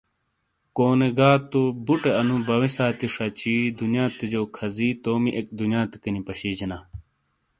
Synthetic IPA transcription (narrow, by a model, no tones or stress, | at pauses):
koːneɡaːt̪obuʈeɐnubɐwisaːt̪iʂɐt͡ɕiːd̪unjaːt̪ed͡ʑoːkʰɐziːt̪oːmiʔek̚d̪unjaːt̪e̥kɐnipɐɕiːd͡ʑinaː